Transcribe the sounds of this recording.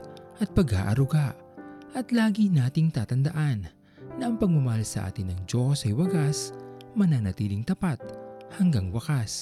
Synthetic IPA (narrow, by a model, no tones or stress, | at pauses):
ʔɐt̪̚pɐɡa̰ːʔɐɾʊɡaʔ | ʔɐt̪laːɡinaːt̪ɪŋt̪aːt̪ɐnd̪ɐʔanː | ɐʔɐŋpɐɡ̚mʊmɐhalsɐ̰ʔa̰ːt̪ɪnːɐŋd͡ʒo̞sɐjwɐɡasmɐnaŋnɐt̪iːlɪŋt̪ɐpat̪̚hɐŋɡaŋwɐkas